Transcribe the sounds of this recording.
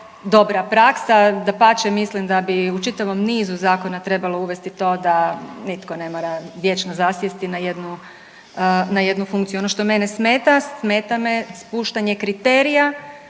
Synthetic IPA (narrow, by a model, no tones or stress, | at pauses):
d̪o̞bɾapɾaksad̪apat͡ʃemislimd̪abiut͡ʃit̪aʋo̞mniːzuzaːko̞nat̪ɾe̞balˠo̞uʋe̞st̪it̪o̞ːd̪anit̪ko̞ne̞moɾaʋje̞t͡ʃnozasjest̪inaje̞d̪nu | naje̞d̪nufuŋkt̪sijuo̞noʃt̪o̞me̞nesmeːt̪asme̞ːt̪amespuːʃt̪aɲe̞kɾit̪eːɾija